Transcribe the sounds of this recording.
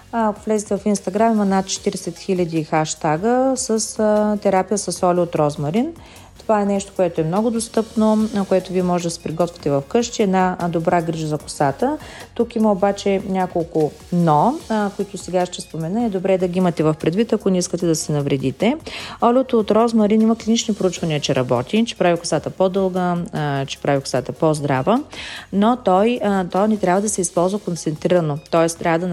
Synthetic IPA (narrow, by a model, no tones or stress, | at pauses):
kovlɛzit̪ɛvɐfinst̪ɐɡɾamimɐnat̪̚t͡ʃɛ̥t̪iɾɛsɛt̪xilʲɐd̪ixaʃt̪aɡəsəst̪ɛɾapijəsəsɔlʲɛot̪ɾɔzmɐɾin | t̪ovaɛnɛʃt̪o̥koɛt̪oɛmnɔɡʊd̪ost̪ɤpnokoɛt̪ʊviɛmɔʒɛd̪ɐsɛ̥pɾiɡɔt̪vʲɛ̥t̪ɛvɐfkɤʃt̪iɛd̪nad̪obɾaɡɾiʒəzɐkʊ̥sat̪ət̪ukiməobat͡ʃɛnʲakolˠkʊ | nɔkoit̪ʊsɛɡaʃt̪ɛspomɛnəɛd̪obɾɛd̪ɐɡiimɐt̪ɛvɐfpɾɛd̪vit̪ɐkonɛiskət̪ɛd̪ɐsɛnɐvɾɛd̪it̪ɛɔlʲvot̪oːt̪ɾɔzmɐɾinimɐklinit͡ʃnipɾoʊut͡ʃvɐniət͡ʃɛɾʔɐbɔ̰t̪it͡ʃɛ̥pɾavʲikʊ̥sat̪əpɔd̪ɤlˠɡət͡ʃɛ̥pɾavʲikʊ̥sat̪əpɔzd̪ɾavənot̪ɔjt̪ɔnɛt̪ɾʲabvəd̪ɐsɛispɔlˠzvəkont̪sɛnt̪ɾiɾɐnot̪ɔɛst̪ɾʔavəd̪ɐn